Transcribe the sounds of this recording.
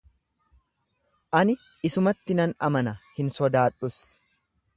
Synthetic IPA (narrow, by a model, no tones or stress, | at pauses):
ʔɐnɪ | ɪsʊmɐt̪ːɪnɐnɐ̰mɐnɐhɪnsɔd̪aːᶑʊs